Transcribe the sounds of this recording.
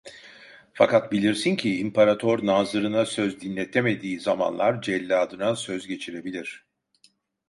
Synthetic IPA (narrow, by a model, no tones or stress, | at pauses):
fa̰kat̪̚bilʲiɾsincʰiːmpaɾat̪ʰoɾnaːzɯɾɯnasøzd̪inlʲet̪ʰeme̞d̪iːzama̰nlˠaɾd͡ʒɛlʲːaːd̪ɯnasø̞zɟe̞t͡ʃʰiɾe̞bilʲiɾ̝̥